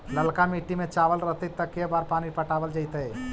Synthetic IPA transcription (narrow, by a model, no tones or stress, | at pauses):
ləlkamiːʈːimẽt͡ʃaːʋəlɾəɦt̪et̪əkːebaːɾpaːnipəʈaːʋəld͡ʒəit̪ɦeː